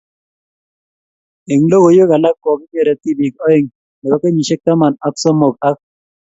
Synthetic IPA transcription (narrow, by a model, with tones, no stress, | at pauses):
e˨ŋlo˦ɣo˨jo˦ka˨la˦kːɔ˨kɪ˦ɲɛ˨ɾɛ˨ti˦bi˨kɔ˦e˨ŋ | lɛ˨kɔ˦ke˦ɲi˨ʃe˦k̚ta˦ma˨na˦ksɔ˦mo˨ka˦k̚